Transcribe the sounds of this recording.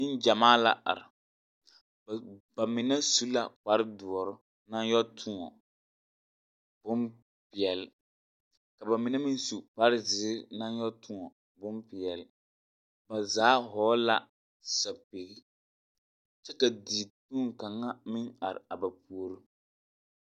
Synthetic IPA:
ɪ˦nd͡ʒa˨maː˦la̰˦ʔa̰˨ɾɪ˨ | ba˨mɪ˨nɛ˦su˦la̰˨k͡pa˦ɾɪ˦du˨ɔ˨ɾʊ˦ | na˦n˦jɔ˦tʰʊ˦ŋɔ̰˨ | b̥ʊ˦n | pɪ˨ɛ˨l | ka˨ba˨mɪ˨nɛ˦mɪ˦nsu˨k͡pa˦ɾɪ˦zɪː˨˦na˦njɔ˦tʊ˦ŋɔ˨ | bʊ˦npɪ˨ɛ˨lɪ˨ | ba˨zaː˨˦ɦɔː˨˦la˦ | sa˨pe˨ɡi˦ | t͡ʃɛ˦ka˨di˨tuː˦ŋka˨ŋːa˦mɪ˦ŋa˨ɾɪ̰˨a˨ba˨pu˨o˦ɾu˦

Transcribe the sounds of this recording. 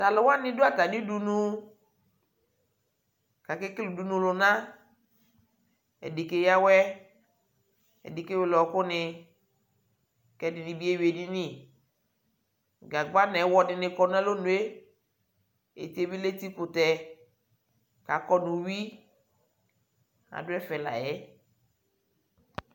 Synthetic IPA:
ta˨lʊ˨wa˦nɪ̃˦du˦a˦˨ta˨ni˦du˨nu˦ | ka˨kɪ˦ki˦lu˨du˨nũ˨lʊ˨nã˦ | ɛ̰˨di˨ke˦ja˦wɛ˦ | ɛ̰˨di˨ke˦wlɔ˨kʊ˦nɪ˧ | kɛ˨dɪ˨nɪ˨bi˦e˦wi˨e˨di˦ni˦˨ | ɡa˨ɡ͡ba˦nɛ˨˦wɔ˦dɪ˨nɪ˨kɔ˨n˦ɛ˦lo˦nu˨e˦ | ḛ˨te˦bi˦le˦ti˦kʊ˨tɛ˨ | ka˨kɔ˦nʊ˨wi˦ | a̰˨dʊ˦ɛ˦fɛ˨la̰˨jɛ˦

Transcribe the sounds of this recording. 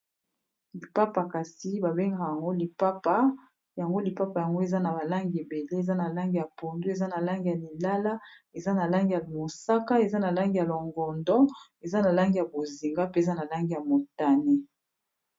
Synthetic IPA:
li˨pa˦pa˨ka˨si˦ba˨be˦ŋɡa˨ja˨ŋɡo˦li˨pa˦pa˦ | ja˨ŋɡo˦li˨pa˦pa˨ja˨ŋɡo˦e˨za˦na˨ba˨la˦ŋɡe˨be˨le˦e˨za˦na˨la˦ŋɡi˨ja˨po˨ndu˦e˨za˦na˨la˦ŋɡi˨ja˨li˨la˦la˦ | e˨za˦na˨la˦ŋɡi˨ja˨mo˨sa˦ka˦e˨za˦na˨la˦ŋɡi˨ja˨lɔ˨ŋɡɔ˨ndɔ˦e˨za˦na˨la˦ŋɡi˨ja˨bo˨zi˨ŋɡa˦pe˦˨za˦na˨la˦ŋɡi˨ja˨mo˨ta˦ne˦

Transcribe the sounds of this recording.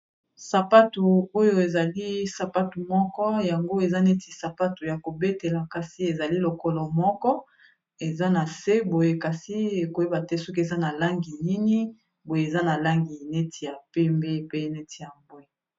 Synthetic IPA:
sa˨pa˦tu˨o˦jo˨e˨za˨li˦sa˨pa˦tu˨mɔ˦kɔ˦ja˨ŋɡo˦e˨za˦ne˦ti˨sa˨pa˦tu˨ja˨ko˨be˦te˨la˨ka˨si˦e˨za˨li˦lo˨kɔ˦lɔ˨mɔ˦kɔ˦ | e˨za˦na˨se˦bo˨je˦ka˨si˦e˨ko˨je˦ba˨tɛ˦sɔ˦ke˨za˦na˨la˦ŋɡi˨ni˦ni˦ | bo˨je˨za˦na˨la˦ŋɡi˨ne˦tʰi˨ja˨pe˦mbe˦˨pe˦ne˦tʰi˨ja˨bwe˦

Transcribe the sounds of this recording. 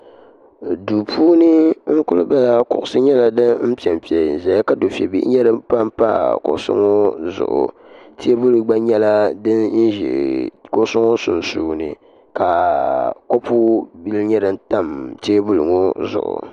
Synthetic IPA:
du˨pʰuː˦nɨ˦ŋ̩˦kʊ˦lɨ˦ba˦la˦kʊ̰˨ʔʊ˨sɨ˦ɲɛ˦la˨dɨ˦m̩˦pi˨ɛ˨mpi˨ɛ˨zɛ˨ja˦ka˦do˨fɛ˨bḭ˦ʔɲɛ˦ɾɨ˦mpa˦mpa̰˦kʊ̰˨ʔsʊ̰˦ŋo˦zʊ̰˨ʔʊ̰˨ | tʰe˦bu˦lɨ˨ɡ͡ba˦ɲɛ˦la˦dɨ˦nn̩˦ʒḭ˨kʊ˦sʊ˦ŋo˦sʊ̰˨n˨suː˦nɨ̰˨ | ka˨ko˦pu˦bi˦lɲɛ˦ɾɨ˦n̩˦ta˦˨mteː˦bu˦lɨ˨ŋo˦zʊ̰˨ʔʊ̰˨

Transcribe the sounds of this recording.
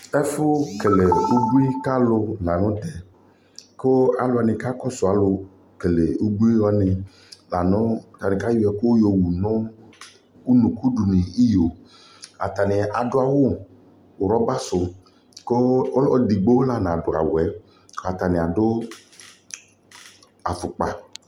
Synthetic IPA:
ɛ˦fʊ˦ke˨le˨u˦ɡ͡bu˦i˦ka˦lʊ˧la˨nʊ̃˦t̪ɛ˨ | ko˦a˨lʊ˦a˨nɪ̃˨ka˦kɔ˦sʊ˨a˨lʊ˧ | ke˨le˨u˦ɡ͡bu˦i˦ɔ˦nɪ̃˨ | la˨nʊ̃˦˨t̪a˨nɪ̃˨ka˦jʊ˦ɛ˨ko˦jo˨wu˨nʊ̃˦ | u˦nũ˨ku˦du˨nĩ˨i˦jo˨ | a̰˨t̪a˨nɪ˨a˨dʊ˦a˨wʊ˦˨ | ʊ˨ɾɔ˦ba˦sʊ˨ | ko˦ɔ˦di˨ɡ͡bo˦la˨nã˨dʊ˨a̰˨wʊ˨ɛ˨˦ | ka˨t̪a˨nɪ̃˨a˨dʊ˦ | a˨fʊ˨k͡pa˨

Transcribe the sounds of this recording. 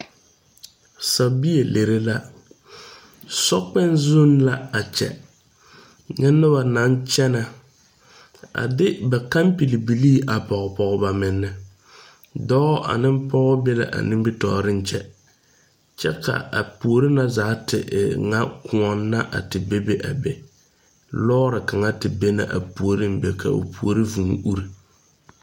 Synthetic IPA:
sa˨bi˦je˨lʔe˨ɾe˦la˦ | sɔ˦k͡pɛ˦nzʊ˦nla˦a˨t͡ʃɛ̰˨ | ɲɛ˦nːʊ˦ba˨na˨˦nt͡ʃɛ˦na˨ | a̰˨dɪ˦ba˨ka˦mpi˨li˨bi˨liː˦ʔa˨pɔ˨ɣɔ˨pɔ˨ɣɔ˨ba˨mɪ˨nːɪ˨ | dɔː˦ʔa̰˨nɪ˦m˦pɔ˦ɣɔ˦bɛ˦la̰˨ʔa̰˨nɪ̃˦mbɪ˦tɔ˨ɾɪ˦n˦t͡ʃɛ˦ | t͡ʃɛ˦kʰa̰˨a̰˨pu˨o˨˦ɾi˦na˦za˨˦tɪ˨ʔŋa˦kʊ˨ɔ˨nːa˦ʔa̰˨tɪ˨be˦be˦ʔa˨bɛ˨ | lɔː˦ɾɪ˨ka˨ŋa˦tɪ˨be˦na̰˦ʔa̰˨pu˨o˨ɾi˦m˦bɛ˨kʰa̰˨ṵ˨pʰu˨o˦ɾi˦vu˨ŋ˦ʔu˦ɾi˨

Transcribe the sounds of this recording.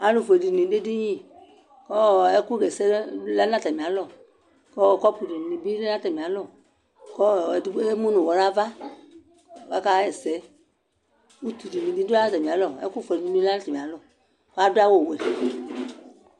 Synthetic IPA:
a˨˦lũ˨fo˨e˨di˨nĩ˨˦de˦di˦ɲĩ˦˨ | kɔ˦ɛ˦ku˦˨ɡɛ˨sɛ˦la˦nã˦˨ta˨mĩ˨a˨˦lɔ˨ | kɔ˦˨kɔ˦pu˨di˨i˨bi˦le˦ã˦ta˨mĩ˨a˨˦lɔ˦˨ | kɔ˦˨di˦ɛ˦mũ˦nũ˨ɔ˨ɾa˦va˦ | wa˦ka˦ɛ˨sɛ˨˦ | u˦tu˨di˨nĩ˨di˦di˦a˦na˦ta˨mĩ˨a˨˦lɔ˨ɛ̰˦ku˦fe˨i˨i˨˦nĩ˦a˦na˦ta˨m˨a˨˦lɔ˨ | ka˦du˦a˦wo˨we˨

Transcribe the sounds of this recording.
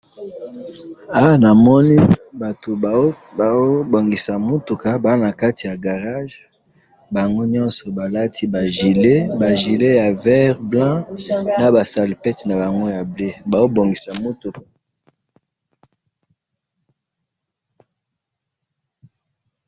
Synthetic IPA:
a˦wa˦na˨mɔ˦ni˦ba˨to˨ | o˦bo˨ŋɡi˨sa˨mo˦tu˨ka˦ba˨˦na˨ka˦ti˨ja˨ɡa˨ʁa˦ʒ | ba˨ŋɡo˦ɲɔ̃˦nsɔ˨ba˨la˦tʰi˦ba˨ʒi˨le˦ba˨ʒi˨le˦ja˨vɛ˦ʁblã˦na˦ba˨sa˨li˨pɛ˦tna˨ba˨ŋɡo˦ja˨ble˦ba˨zo˦bo˨ŋɡi˨sa˨mo˦tu˨ka˨

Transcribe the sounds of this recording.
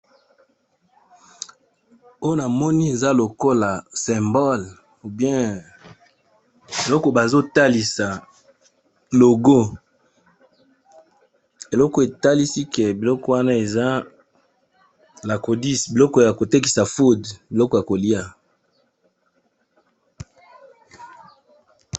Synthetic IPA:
o˦jo˦na˨mɔ˦ni˦e˨za˦lo˨ko˦la˨sɛ̃˨mbɔ˦l | u˨bjɛ̃˦ | e˨lɔ˦kɔ˨ba˨zo˦ta˦li˨sa˨ | lo˨ɡo˦ | e˨lɔ˦kɔ˨e˨ta˦li˦si˦kɛ˨bi˨lɔ˦kɔ˦wa˦na˦e˨za˦ | la˨ko˨di˦sbi˨lɔ˦kɔ˨ja˨ko˨te˦ki̥˨sa˨fu˦dbi˨lɔ˦kɔ˨ja˨ko˨li˦a˦

